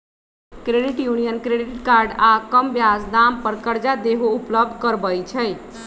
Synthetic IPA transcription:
kɾeɖiʈjunijənkɾeɖiʈkaɾɖakəmbjasd̪ampəɾkəɾd͡ʒad̪eɦoupləb̚d̪ʱkəɾbəjt͡ʃʰəj

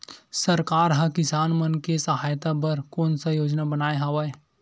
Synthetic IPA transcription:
sɐɾkaːɾɦɐ̃kɪsaːnmənkesɐɦaːjt̪abɐɾkɔːnsajoːd͡ʒnabɐnaːeɦaʋaːe

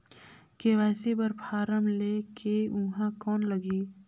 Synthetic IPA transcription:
keʋaːsebəɾpʰaːɾəmleːkeʊɦãkɔːnləɡiː

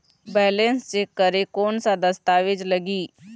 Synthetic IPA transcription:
bɛːlenst͡ʃeːkːəɾeːkoːnsad̪əst̪aːʋɪd͡ʒləɡiː

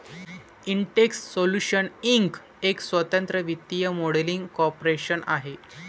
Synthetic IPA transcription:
iɳʈekssoluɕəniŋk | eksʋət̪ənt̪ɾəʋit̪ːijəmoɽeliŋɡkɔɾpɾeɕəna̰ɦe

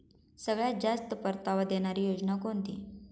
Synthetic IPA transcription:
səɡɭjad͡ʑast̪əpəɾt̪aʋad̪eɽ̃aɾiːjod͡ʑnakont̪ḭ

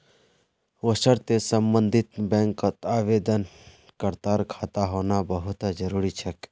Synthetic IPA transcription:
ʋosəɾt̪esəmbənd̪ʱɪt̪bɛ̃ːŋkːət̪aːʋeːd̪ən | kəɾt̪aːɾkʰaːt̪aɦoːnabəɦʊt̪d͡ʒəɾuːɾit͡ʃʰək

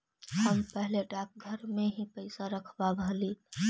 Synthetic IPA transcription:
həmpəɦleɖak̚ɡʱəɾmeɦipəɪsaɾəkʰbabʱəli

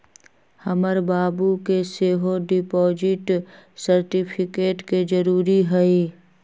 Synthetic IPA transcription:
həməɾbaːbukeseːɦoɖɪpɔːd͡ʒɪʈsəɾʈɪpʰɪkeːʈked͡ʒəɾuːɾiɦɛi

